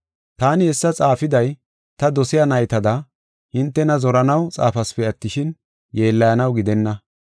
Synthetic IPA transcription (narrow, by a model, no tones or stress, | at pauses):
t̪aːnɪɛsːɐt͡sʼaːfɪd̪ɐj | t̪ɐd̪ɔsɪjanɐjt̪ɐd̪ɐ | hɪnt̪ːɛnɐzɔɾɐnɐwt͡sʼaːfɐspɛɐt̪ːɪʃɪn | jeːlːɐjɐnɐwɡɪd̪ɛnːɐ